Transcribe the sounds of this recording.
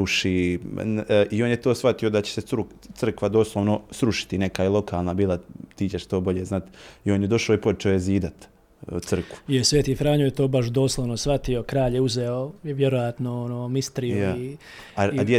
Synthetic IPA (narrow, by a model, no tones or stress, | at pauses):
uʃi | ʔioːnjet̪o̞ːsfat̪io̞d̪at͡ɕe̥seɾu | t̪r̩kʋad̪o̞ːslˠoʋnosɾuʃi̥t̪inekailˠo̞kʰaːlˠnabiːlˠat̪iːt͡ɕeʃt̪o̞ːbo̞ʎeznat̪io̞ːnjed̪o̞ʃaoipo̞t͡ʃɛojeziːd̪at̪ | t̪sr̩kʋuijesʋeːt̪ifɾaːɲojet̪oːbaʃ̬d̪o̞ːslˠoʋno̞sʋat̪io̞kɾaːʎeuzeojʋjeɾojat̪noonoːmist̪ɾijui | ad̪je